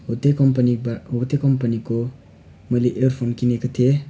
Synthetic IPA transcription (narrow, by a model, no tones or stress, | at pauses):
ɦot̪ekʌmpʌnibaɦot̪ekʌmpʌniko | mʌjleʔerpʰonkinekot̪ʰie